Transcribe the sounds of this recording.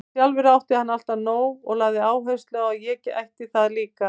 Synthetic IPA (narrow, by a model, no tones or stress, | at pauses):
sjalvɪɾawht̪ɪhanːal̥t̪aðnoːwɔɣlaːɣðɪaːwɦœɥst̪lœːɣajɛɛcːɪʔajht̪ɪθaðliːka